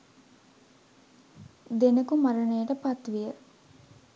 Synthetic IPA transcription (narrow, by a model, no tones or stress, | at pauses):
d̪enəkumaɾənəjəʈəpat̪ʋijə